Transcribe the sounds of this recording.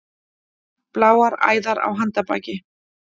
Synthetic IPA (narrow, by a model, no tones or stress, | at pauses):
plaːwaɾa̰ːjðaɾa̰wɦant̪apa̰ːcɪ